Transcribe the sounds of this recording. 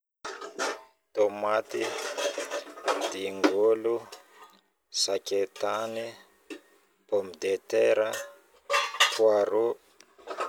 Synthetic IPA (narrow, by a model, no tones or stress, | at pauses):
t̪omat̪i | d̪iŋɡulu | saket̪ani | pomid̪et̪ɛɾa | kwaɾu